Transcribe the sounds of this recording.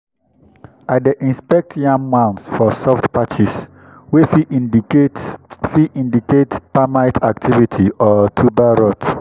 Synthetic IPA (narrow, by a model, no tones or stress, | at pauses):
adeʔĩnspɛk̚tʰjãmmãnsfɔsɔftpat͡ʃis | wefi | fiʔĩndiketpamaɪtʰak̚tʰivitʰiʔɔtʰubaɹɔt